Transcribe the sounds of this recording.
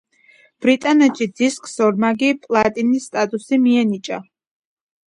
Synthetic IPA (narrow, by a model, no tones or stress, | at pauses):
b̥ɾit̪ʼanɛt̪ʃid̪iskʼsɔɾmaɡipʼlˠat̪ʼinisːt̪ʼat̪ʼusimiɛnit͡ʃʼa̰